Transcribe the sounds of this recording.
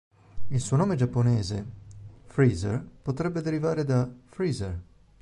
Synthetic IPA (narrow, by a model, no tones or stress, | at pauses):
ilsuːonoːmed͡ʒapːonɛːzefɾiːzḛrpot̪ɾɛbːed̪eɾivaːɾed̪afɾiːzer